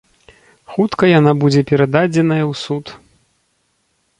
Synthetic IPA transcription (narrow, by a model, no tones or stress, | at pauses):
xut̪kɐjanabud͡zʲɛpʲɛɾad̪ad͡zʲɛnɐjɐwsut̪